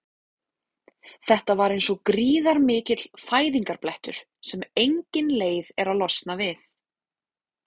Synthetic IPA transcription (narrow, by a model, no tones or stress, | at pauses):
θɛht̪avaɾejnsɔkɾiːðaɾmɪːcɪt̪l̥faːjðiŋkaɾplɛht̪ʏ̰ɾ̥ | sɛmejɲcɪnleːjðɛɾalɔst̪navɪθ